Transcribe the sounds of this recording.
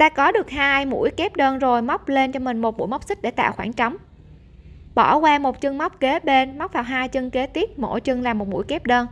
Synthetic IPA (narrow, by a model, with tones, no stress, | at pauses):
t̪aː˧kɔ˨˦ɗɨ˨˩ək̚haː˧jmṵ˧˥əjke˦˥p̚ɗəː˧nzo˨˩jma˦˥wk͡p̚le˧nt͡ɕɔ˧mï˨˩ŋ̟mo˨˩t̚mu˧˥˦jma˦˥k͡p̚sï˦˥k̚ɗḛ˧˩t̪a̰ː˧˨wxwaː˧˩nt͡ɕɔ˨˦wŋ͡m | ɓɔ˧˩kwaː˧mo˨˩t̚t͡ɕɨ˧ŋma˦˥wk͡p̚ke˨˦ɓe˧nma˦˥k͡p̚vaː˨˩wɦaː˧jt͡ɕɨ˧ŋke˨˦t̪i˦˥əp̚mo̰˧˩t͡ɕɨ˧ŋlaː˨˩mo˨˩t̚mṵ˧˥˨jkɛ˦˥p̚ɗəː˧n